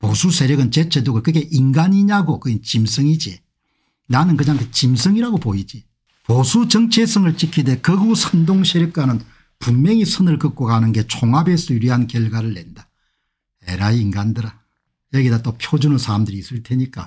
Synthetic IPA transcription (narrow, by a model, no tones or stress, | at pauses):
posʰusʰe̞ɾjʌɡɯnt͡ɕet͡ɕʰedoɡɯkɯɡe̞ʔinɡaɲiɲaɡokɯɡint͡ɕimsʰɯŋid͡ʑi | nanɯnkɯɲaŋkʰet͡ɕims̬ʰɯŋiɾaɡopoid͡ʑi | posʰut͡ɕʌŋt͡ɕʰe̞sʰɯŋɯɭt͡ɕ͈ikʰide̞kɯɡusʰɯndoŋsʰeɾjɯk̚k͈anɯn | puŋmeŋisʰɯnɯɭkɯk͈oɡanɯnɡe̞t͡ɕʰoŋabes͈ɯuɾiɦankjeɭɡwaɾɯɭːenda | ḛɾaiiŋɡandɯɾa | jʌɡidat͈opʰjod͡ʑunɯnsʰaɾamdɯɾiːs͈ɯɭtʰeɲik͈a̰